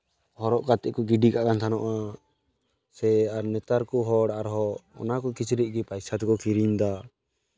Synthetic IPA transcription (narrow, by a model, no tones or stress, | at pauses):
hɔɾɔʔkat̪ɛʔkɔɡiɖikaʔkant̪ʰanɔʔa | sɛaɾnɛt̪aɾkɔɦɔɽaaɾɦɔɔ̰nakɔkit͡ʃʰɾiʔ̚ˀɡipajsat̪kɔkʰiɾiɲd̪a